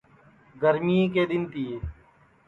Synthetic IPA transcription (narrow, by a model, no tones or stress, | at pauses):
ɡəɾmiːkeːɗ̪ɪnt̪iː